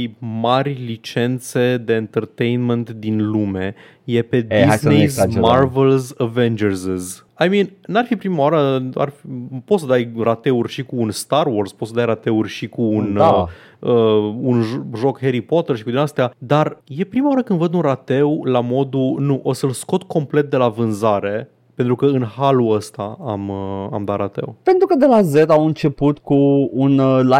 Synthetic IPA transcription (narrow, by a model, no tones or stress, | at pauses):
imarʲlit͡ʃe̞nt̪se̞d̪e̞ːnt̪ərt̪ejnment̪d̪inlume̞ | je̞pe̞d̪iznezmarvelzəvend͡ʒərzez | ajminnarfipɾimawaɾəa̰rfipo̞t̪səd̪ajrat̪e̞urʲʃikuːnst̪arworspo̞t̪səd̪ajɾat̪e̞urʲʃikuːn | əunʒo̞kxe̞ɾipo̞t̪erʃi̥kud̪inast̪ead̪arje̞pɾimawaɾəkɨnd̪vəd̪unrat̪e̞wlamo̞d̪unuʔo̞səlsko̞t̪ko̞mple̞t̪̚d̪e̞lavɨnzaɾe̞ | pe̞nt̪ɾukəɨnhaluəst̪aaməa̰md̪aɾat̪e̞̰wpe̞nt̪ɾukəd̪e̞lazet̪awɨnt͡ʃe̞put̪kuunla